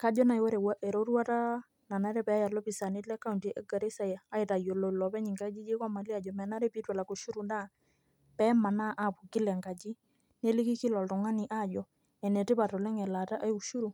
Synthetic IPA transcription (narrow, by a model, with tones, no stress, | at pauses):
ka˨˦d͡ʒɔ˦na˨jwɔ˦ɾɛ˨wa˦ʔɛ˨ɾo˦ɾwa˦ta˦ | na˨na˦ɾɛ˦pɛ˨a˦ja˨lɔ˦pi˨sa˨nɪ˦tlɛ˦ka˦u˨ntʔɛ˦ɡa˨ɾe˦sa˨ja˨a˦ɪ˨ta˨jo˨lo˨lɔ˨pɛ˦ɲi˨ŋɡa˦d͡ʒi˦d͡ʒe˦kɔ˦ma˨li˦a˨d͡ʒɔ˨mɛ˨na˦ɾɛ˦pi˦twɛ˨la˨ko˨ʃu˦ɾu˨nda˦ | pɛ˦ma˨na˦ʔa˦˨pu˨ɡi˦lɛ˨ŋɡa˨d͡ʒi˦ | ne˦lɪ˦ki˦ki˦lɔ˨ltɔ˨ŋa˦ni˨ʔa˦˨d͡ʒɔ˨ | ɛ˨nɛ˨tɪ˦pa˨tɔ˨lɛ˦ŋɛ˨la˨ta˦ʔa˦ju˨ʃu˦ɾu˨